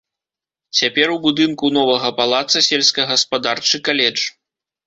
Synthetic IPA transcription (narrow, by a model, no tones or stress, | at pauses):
t͡sʲapʲɛrwbud̪ɨnkunɔvɐɣɐpalˠat̪sɐsʲɛlʲsʲkɐɣɐspad̪art͡ʂɨkalʲɛd͡ʐ